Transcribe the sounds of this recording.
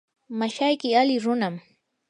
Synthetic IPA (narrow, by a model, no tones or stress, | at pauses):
maʃajkɪalɪɾʊnam